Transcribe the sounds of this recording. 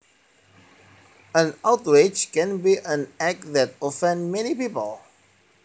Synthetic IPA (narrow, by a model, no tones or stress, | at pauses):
ə̃naʊtwed͡ʒkɛ̃nbiʔə̃næk̚ðæt̚ofɛ̃ndmɛnipipəlˠ